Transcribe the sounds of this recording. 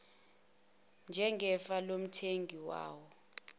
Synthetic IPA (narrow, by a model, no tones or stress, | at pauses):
nd͡ʒʱɛŋɡʱɛfalom̩tʰeŋɡʱiwa̰ːwɔ